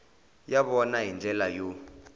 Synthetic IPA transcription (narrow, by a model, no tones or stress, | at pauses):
jaɓɔnaɦind͡ɮʱɛlajo